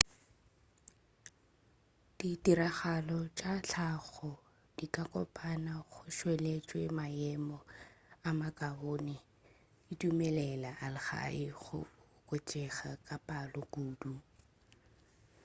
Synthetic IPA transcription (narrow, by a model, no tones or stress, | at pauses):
d̥itiɾaχalɔt͡ʃʼat͡ɬʰaɣɔ | d̥ikʼakʼɔ̰pʰʼanaχʊʃwelet͡ʃʼwemaɛmɔamakʼabonɪ | itʼumɛlɛlaʔalɪɣa̰ɪχʊ̰ | kʼot͡ʃʼɛχakʼapʼalɔɡuːdu